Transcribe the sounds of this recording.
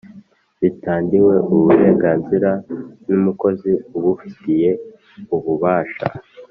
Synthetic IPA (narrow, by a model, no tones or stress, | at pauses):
βitaːndiwe̞ʔuβuɾe̞ːŋɡaːnziɾanumuko̞ziuβufi̥tije̞ | uβuβaːʃa̰